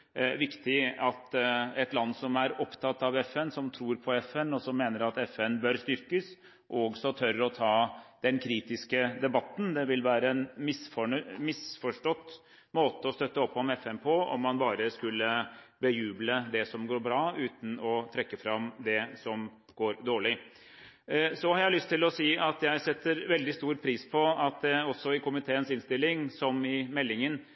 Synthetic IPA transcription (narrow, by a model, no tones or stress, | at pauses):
ʋɪkt̪ɪɑt̪ɛt̪lɑnːsɔmæɾɔpt̪ʰɑt̪ːɑʋɛfɛnsɔmt̪ʰɾuːɾpʰɔɛfɛnɔsɔmːeːnəɾɑt̪ɛfɛnbœɾst̪ʏɾkəs | ʔɔɡsɔt̪ʰœɾəɾɔt̪ʰɑːd̪ɛnkʰɾiːt̪ɪskəd̪ɛbɑt̪ːn̩d̪ɛʋɪlʋæːɾəɛnmɪsfɔmɪsfɔʂʈɔt̪ː | moːt̪əɔst̪œt̪ːəɔpʰːɔmɛfɛmpʰoɔ̰mːɑnbɑːɾəskʉlːəbəjʉːbləd̪ɛsɔmɡoːɾbɾɑːʉːt̪n̩ɔt̪ʰɾɛkːəfɾɑmd̪ɛsɔm | ɡ̥oːɾd̪oːɭɪ | sɔhɑɾjæɪlʏst̪ʰːɪlɔsiːɑt̪jæɪsɛt̪ʰːəɾʋɛld̪ɪst̪uːɾpʰɾiːspʰɔɑt̪d̪ɛɔsːɔɪkʊmɪt̪ʰeːənsɪnst̪ɪlːɪŋsɔmɪmɛlːɪŋən